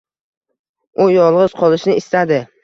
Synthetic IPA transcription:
ʊjɒlˠʁɨz̥qʰɒlˠɪʃnɪɪst̪ad̪ɪ

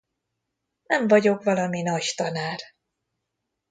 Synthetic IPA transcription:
nɛɱvɒɟo̞kvɒlɒminɒɟt̪ɒnaːr

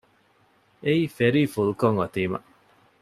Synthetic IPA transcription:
eiːfeɾiːfulukoŋʋɐt̪iːmɐ̰

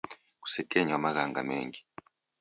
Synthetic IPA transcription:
ku̥sɛkeɲwamaɣaŋɡa̰mḛːŋɡi̥

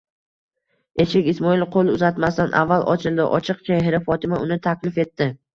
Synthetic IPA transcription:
e̞ʃɪkʲɪsmɒɪlˠqʰolˠɪʊzat̪mast̪anʔa̰vːalˠʔɒ̰t͡ʃʰɪlˠd̪ɪʔɒ̰t͡ʃʰɨqt͡ʃʰaɦɪɾɪfɒt̪ʰɪmaʊnɪt̪ʰakʲlɪfe̞t̪ːɪ

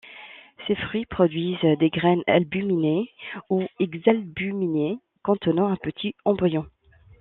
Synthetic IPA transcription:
sefχɥipχɔd̪ɥizd̪eɡʁɛna̰lbymineuɛɡzalbymine | kɔ̃t̪ənɑ̃ɛ̃pət̪ʰiɑ̃bʁjɔ̃

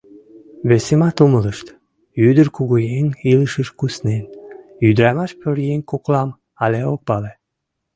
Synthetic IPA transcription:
βesemɑt̪umələʃt̪ | yd̪ərkuɣujeniləʃəʃkusnenyd̪ɾɑmɑʃpøɾjenkoklɑm | ɑleok̚pɑle

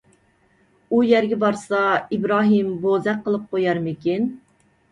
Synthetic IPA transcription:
ujɛɾɡʲɛbɑɾsɑibɾɑːɦɨmbozɛqʰːəlˠɨp̚qʰojɑɾmɪkʲʰin

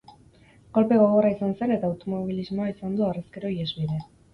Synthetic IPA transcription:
ɡo̞lpe̞ɣoɣo̞raisanse̞ne̞t̪aːwt̪o̞mo̞β̞ilizmo̞aisand̪uareskeɾo̞iezβiðe̞

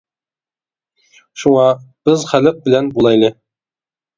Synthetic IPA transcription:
ʃuŋɑb̥ɪzχælɪq̚bɪlænbulˠɑjlˠɪ

